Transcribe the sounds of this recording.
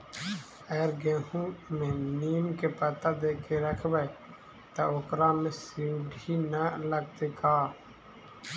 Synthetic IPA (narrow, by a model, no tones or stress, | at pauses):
əɡəɾɡẽːɦũmẽːniːmkepət̪ad̪eːkʰeɾəkʰbəe | t̪aoːkɾaːmẽsiɖʱiːnələɡ̚t̪ekaː